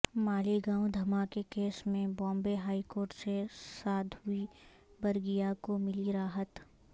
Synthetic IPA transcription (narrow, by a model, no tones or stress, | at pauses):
maːliɡãːw̃d̪ʱɐmaːkekeːsmẽbɔ̃ːmbeɦaːikoːɾʈsesaːd̪ʱʊi | bɐɾɡijakomɪliɾaːɦət̪